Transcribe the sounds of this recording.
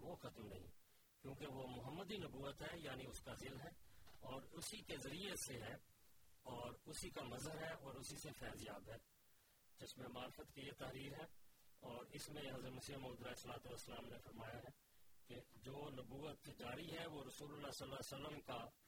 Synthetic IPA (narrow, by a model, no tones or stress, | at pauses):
ʋoːxɐt̪mnɐɦḭ̃ | kjũːkeʋomʊɦəmːəd̪inɐbuːət̪ɦɛjaːniʊskazɪlɦɛːɔːɾʊsikezɐɾieseɦɛː | ɔːɾʊsikamɐzəɾɦɛɔːɾʊsisefɛːzɪjaːt̪ɦɛː | d͡ʒɪsmẽmaːɾfət̪kijet̪ɐɦɾiːɾɦɛːɔːɾɪsmẽɦɐzɾmʊsijəmoːd̪ɾaːsəlaːt̪ʊəsːəlaːmnefəɾmaːjaɦɛː | ked͡ʒoːnɐbuːət̪d͡ʒaːɾiɦɛʋoɾɐsuːlʊlːaːsəlːasəlːəmka